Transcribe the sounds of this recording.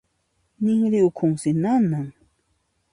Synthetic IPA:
nɪŋɾɪʊkʰʊŋsɪnanaŋ

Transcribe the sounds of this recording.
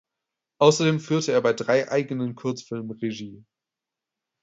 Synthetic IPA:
ʔaʊsɐdeːmfyːɐtʰəeːɐbaɪdʁaɪʔa̰ɪɡənənkʰʊɐt͡sfɪlmʁeʒiː

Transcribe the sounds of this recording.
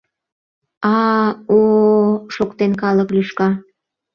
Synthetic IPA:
ɑoʃokt̪enkɑləklyʃkɑ

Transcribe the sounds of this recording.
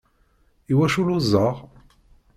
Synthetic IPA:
iwæʃuluzˤːəʁ

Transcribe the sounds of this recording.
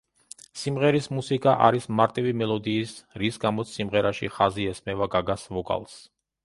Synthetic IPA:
simʁɛɾismusikʼaʔa̰ɾismaɾt̪ʼivimɛlˠɔd̪iːsɾisɡamɔt̪sʰsimʁɛɾaʃḭχaziɛsmɛvaɡaɡasvɔkʼa̰lˠs

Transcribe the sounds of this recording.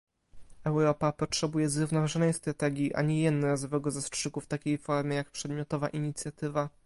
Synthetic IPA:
ɛwɾɔpapɔtʂɛbujɛzɾuvnɔvaʐɔnɛjst̪ɾat̪ɛɡʲjiʔa̰ɲɛjɛd̪nɔɾazɔvɛɡɔzastʂɘkuft̪akʲejfɔɾmʲjɛjak̚pʂɛd̪mʲjɔt̪ɔvaʔiɲit̪sʲjat̪ɘva

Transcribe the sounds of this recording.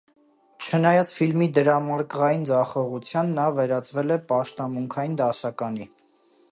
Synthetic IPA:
t͡ʃʰənɑjɑt͡sfilmid̪əɾɑmɑɾkʁɑjind͡zɑχɔʁut͡sʰjɑnːɑvɛɾɑt͡svɛlɛpɑʃt̪ɑmuŋkʰɑjind̪ɑsɑkɑni

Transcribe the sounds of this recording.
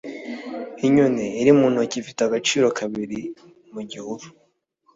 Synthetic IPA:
iɲuneiɾimuːn̥hocifitaɡat͡ʃiːɾokʰaβiɾi | muɟihuɾu

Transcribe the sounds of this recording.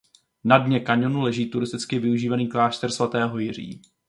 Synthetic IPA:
nadɲɛkaɲonulɛʒiːt̪uɾɪst̪ɪt͡skɪvɪuʒiːvaniːklaːʃt̪ɛrsvat̪ɛːɦo̞jɪr̝ḭː

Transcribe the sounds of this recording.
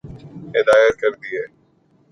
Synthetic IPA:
ɦeːd̪aːjəɾkəɾd̪iːɦɛː

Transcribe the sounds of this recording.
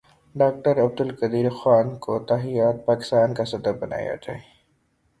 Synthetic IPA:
ɖaːk̚ʈəɾɐb̚d̪ʊlkəd̪iːɾxaːnkot̪aɦijaːt̪̚paːkɪ̥st̪aːnkasɐd̪əbɐna̰ːja̰d͡ʒai

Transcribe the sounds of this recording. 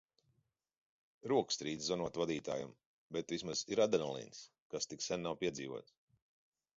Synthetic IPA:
ɾuɔkst̪ɾiːd̪zzɔnuɔt̪vad̪iːt̪a̰ːjṵm | bɛt̪vismaz̥iɾad̪ɛnɔlˠḭns | kast̪iksɛnnawpʲiɛziːvṵɔt̪s

